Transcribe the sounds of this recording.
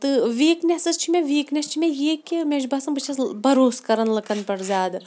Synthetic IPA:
t̪ɨʋeːknʲesɐst͡ʃʰimʲeʋeːknʲɐst͡ʃʰimʲẽjeːkemʲed͡ʒbɐsɐmbɨt͡ʃʰɐsbɐɾoːskɐɾɐnlɐkɐnpɐɽzʲaːd̪ɨ

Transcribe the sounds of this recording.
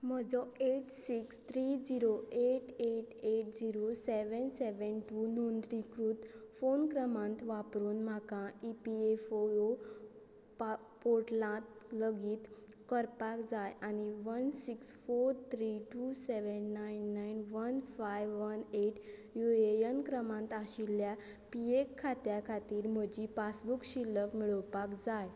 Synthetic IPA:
m̤əd͡zɔeʈsikst̪ʰɾid͡ziɾoeʈeʈeʈd͡ziɾoseʋənseʋənʈunond̪ɾikɾuːt̪fonkɾəmãnt̪ʋapɾuːnm̤akãipiefoo | a | poʈlãt̪̚ləɡiːt̪ | kəɾpakd͡zajañiʋənsiksfoɾt̪ʰɾiʈuseʋənːajnːajnʋənfajʋʋəneʈjuejənkɾəmãnt̪aɕilja | piekʰːat̪jakʰat̪iːɾm̤əd͡ʑipasbukɕilːəkmiɭəwpakd͡zaj

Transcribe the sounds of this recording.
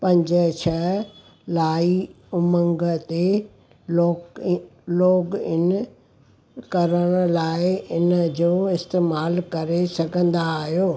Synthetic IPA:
pɐ̃ɲd͡ʑət͡ɕʰə | laːi | ʊmə̃ŋɡət̪e | oː | loːɡɪn | kɐɾəɽ̃̆laːɪɪnəd͡ʑoːɪst̪eːmaːlkɐɾesɐɡʱə̃nd̪aːɦijoː

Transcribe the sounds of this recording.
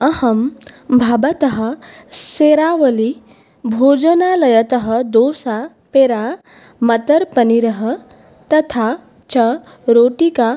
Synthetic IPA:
ɐhɐmbʱabɐt̪ɐɦɐ | seɾaʋɐli | bʱoːd͡ʒənalɐjɐt̪ɐɦəd̪oːsa | peɾa | mɐt̪ɐɾpɐniɾɐɦə | t̪ɐt̪ʰa | t͡ʃɐ | ɾoːʈika

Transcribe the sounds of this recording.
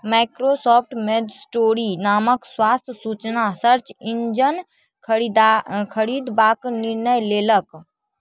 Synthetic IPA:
maɪkɾosɔːp̚ʰʈmed̪sʈoːɾinaːməkswaːst̪ʰjsuːt͡ʃnasəɾt͡ʃɪ̃ɲd͡ʒənʰ | d̪kʰəɽiːd̪baːknɪɾnəjleːlək

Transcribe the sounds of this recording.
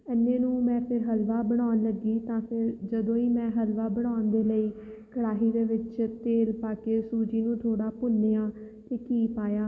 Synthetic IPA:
ɛːnːẽːnũːmɛ̃ːpʰɪɾɦəlʋaːbəɽ̃aːnləɡiːt̪ãːpʰɪɾd͡ʒəd̪õːiːmɛ̃ːɦəlʋaːbəɽ̃aːnd̪eːləiː | kəɽaːɦiːd̪eːʋɪt͡ʃt̪eːlpaːkeːsuːd͡ʒiːnũːt̪ʰoːɽaːpʊnːeːãː | t̪eːkiːpaːjaː

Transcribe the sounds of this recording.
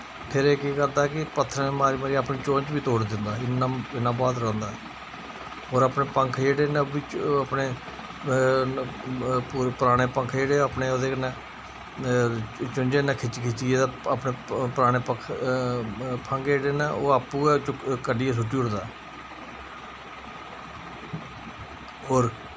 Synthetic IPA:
pʰɪɾeːkiːkəɾd̪aːkɪpət̪ʰːəɾneːmaːɾiːmaːɾiapniːt͡ʃõːɲt͡ʃʋiːt̪oːɽd̪ɪnd̪aːɪnãːɪnːãːbaːd̪ɾɛ̃ːnd̪aːɛ | ɦoːɾaːpneːpəŋkʰd͡ʒeːɽeːnãbiːapneː | uːɾepəɾaːɽ̃eːpəŋkʰd͡ʒeːɽeːapneːoːd̪eːkənẽː | t͡ʃʊnd͡ʒeːnãːkʰɪt͡ʃːkʰɪt͡ʃiːeːd̪aːapneːpəɾaːɽ̃eːpəkʰ | pʰəŋɡjeːɽeːnaːoːaːpuːt͡ʃkəɖiːɛːs̬ʊʈːiːʊɽd̪a̰ːɛː | ɦoːɾ

